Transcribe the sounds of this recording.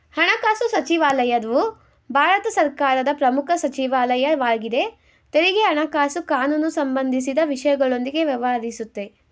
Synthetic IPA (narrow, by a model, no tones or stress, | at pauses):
hɐɳɐkaːsusɐt͡ʃiʋaːlɐjɐd̪ʋu | bʱaːɾɐt̪ɐsɐɾkaːɾɐd̪ɐpɾɐmukʰɐsɐt͡ʃiʋaːlɐjɐʋaːɡid̪e̞ | t̪eɾiɡeɦɐɳɐkaːsukaːnunusɐmbɐnd̪ʱis̬id̪ɐʋiʂɐjɐɡɐɭo̞nd̪iɡe̞ʋjɐʋaɐɾisut̪ːe̞